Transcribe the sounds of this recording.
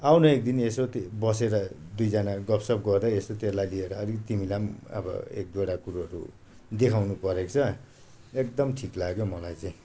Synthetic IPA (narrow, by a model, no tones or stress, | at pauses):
awnʌek̚d̪inesot̪ebʌseɾʌd̪ujd͡zʌnaɡʌpsʌp̚ɡʌrd̪aesot̪elajlieɾʌːlit̪imilamʌ̰bʌ̰ḛk̚d̪woɽakuɾuʌɾṵ | d̪ekʰawnupʌɾekt͡sʰʌ | ek̚d̪ʌmʈʰiklaɡjomʌlajt͡saĩ